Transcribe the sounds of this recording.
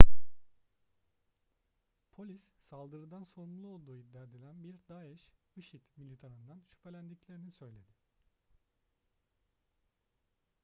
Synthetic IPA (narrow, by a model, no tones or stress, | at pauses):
pʰo̞lʲissalˠd̪ɯɾɯd̪anso̞ɾumlˠuo̞lˠd̪uːid̪ːæɾd̪elʲænbiɾd̪aɛʃ | ɯʃit̪milʲit̪ʰaɾɯnd̪anʃy̥pʰelʲænd̪iclʲe̞ɾinisø̞jlʲe̞d̪ɪ